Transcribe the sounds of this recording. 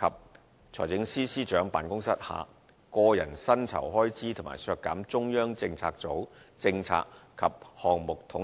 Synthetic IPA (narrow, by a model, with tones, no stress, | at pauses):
kʰɐ˨p̚ | t͡sʰɔː˨˩jt͡sɪ˨˥ŋsiː˥siː˥t͡ʃœː˨˥ŋpa̰ː˨nkʊ˥ŋsɐ˥t̚ha̰ː˨ | kɔː˧jɐ˨˩nsɐ˥nt͡sʰɐ̰˨˩wɦɔː˥jt͡siː˥t̪ʰʊ˨˩ŋma̰ː˨˩jsœː˧kːaː˨˥mt͡sʊ˥ŋjœː˥ŋt͡sɪ˧ŋt͡sʰaː˧k̚t͡so˨˥wt͡sɪ˧ŋt͡sʰa̰ː˧kkʰːɐ˨p̚hɔː˨ŋmʊ˨k̚t̪ʰʊ˨˥ŋ